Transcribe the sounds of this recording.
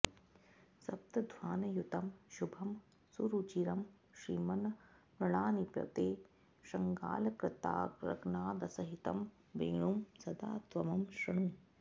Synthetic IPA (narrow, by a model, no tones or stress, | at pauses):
sɐp̚t̪ɐd̪ʱwaːnɐjut̪ɐmʃubʱɐm | suɾut͡ʃiɾɐm | ʃɾiːmɐnɐpɾɐɳaːnipjɐ̰t̪eː | ʃɐŋɡa̰ːlɐkɾɪt̪a̰ːɾɐ̰knaːd̪ɐsɐɦit̪ɐ̰m | ʋḭŋɳumsɐd̪a̰ːt̪ʋɐmɐmʃɐɳum